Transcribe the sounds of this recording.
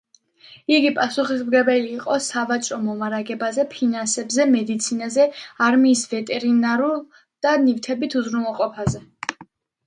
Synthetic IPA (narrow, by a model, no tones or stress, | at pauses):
iɡipʼasuχismɡɛbɛliːqʼɔsavat͡ʃʼɾɔmɔmaɾaɡɛbazɛpʰinansɛbzɛmɛd̪it̪sʰinazɛaɾmiːsvɛt̪ʼɛɾinaɾulˠ | d̪̥anivt̪ʰɛbit̪ʰuzɾunɛlˠqʼɔpʰazɛ